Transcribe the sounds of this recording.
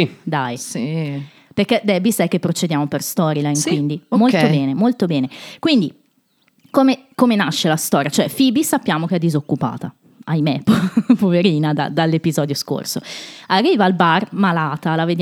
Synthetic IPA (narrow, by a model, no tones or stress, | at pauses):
id̪ajsi | perkːed̪ɛbisajk̟epːɾot͡ʃed̪jaːmoperst̪ɔːɾilaŋkwind̪imolt̪obɛːnemolt̪obɛːnekwind̪i | komekomenaʃːelast̪ɔːɾjat͡ʃoɛfibisapːjaːmok̟eɛd̪ːizokːupa̰ːt̪a | ajmeppoveɾiːnad̪a̰d̪alːepizɔːd̪josko̰rso̰arːiːvaːlbarmalaːt̪alaved̪j